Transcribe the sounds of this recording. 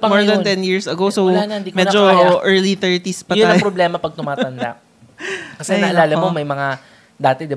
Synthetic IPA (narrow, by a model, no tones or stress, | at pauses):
pmoɹd̪ɐnt̪ɛnjiɹsɐɡowsownnd̪imɛd͡ʒoʔɛɹliθɛɹt̪ispɐtjonaɐːjpɾoblɛmɐpɐɡ̚t̪ʊmaːt̪ɐnd̪a̰ʔ | kɐsɛɐʔɐlaːlɐmomɐjmɐŋa | d̪aːt̪ɛd̪ɪb